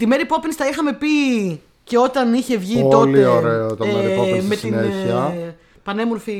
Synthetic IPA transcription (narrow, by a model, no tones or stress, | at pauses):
t̪imeɾipo̞pensi̥t̪ɐixɐme̞pi | ce̞o̞t̪ɐniçe̞vʝioolioɾeot̪omeɾiposmest̪ineçiɐ | pɐne̞moɾfi